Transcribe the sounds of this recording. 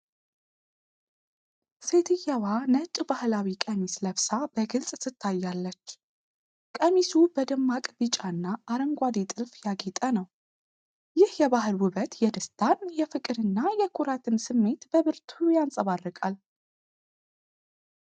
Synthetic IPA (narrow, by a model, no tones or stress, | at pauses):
se̞t̪ʰɨjːawanət͡ʃʼːbahlawikʼəmisləβsab̥əɡɨlsʼsɨt̪ʰːajːalːət͡ʃː | kʼəmisubəd̪ɨmːakʼbɨt͡ʃʼaɨnːaːɾəŋɡʷad̪et̪ʼɨlfjaɡet̪ʼənəw | jɪhjɛβahɨlwʊβət̪jɛd̪ɨst̪ʰanjɛfɨkʼɨɾɨnːajɛkʰuɾat̪ʰɨnsɨmːe̞t̪bəβɨɾt̪ʰujansʼəβarːəkʼal